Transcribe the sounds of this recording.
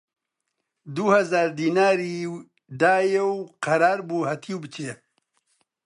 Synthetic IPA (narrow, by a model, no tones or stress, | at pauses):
d̪uhɐzaːɾd̪iːnaːɾi | d̪aːjewqʰɐɾaːɾbuːhɐt̪ʰiːwbɨt͡ʃʰee